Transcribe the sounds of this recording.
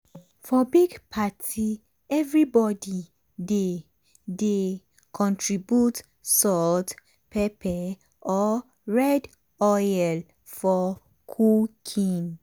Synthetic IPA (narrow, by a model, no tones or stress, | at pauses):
fɔbiɡpʰatʰi | ɛvɹibɔdi | de | de | kʰɔ̃ntʰɹibjut | sɔt | pʰɛpʰɛ | ʔɔ | ɹɛd | ɔjɛl | fɔ | kʰukʰĩn